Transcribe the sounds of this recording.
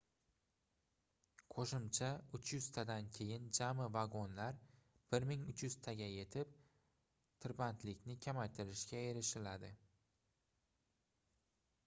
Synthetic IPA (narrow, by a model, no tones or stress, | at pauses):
qʰoʃɪmt͡ʃʰaʊt͡ʃʰjʊz̥t̪ʰad̪ankʲʰe̞jɪnd͡ʒamɪvaɡonlaɾ | b̥ɪɾmɪŋʊt͡ʃʰjʊz̥t̪ʰaɡʲaje̞t̪ʰɪp̚ | t̪ʰɪɾbant̪ʰlɪkʲnɪkʲʰamajt̪ʰɪɾɪʃkʲae̞ɾɪʃɪlad̪ɪ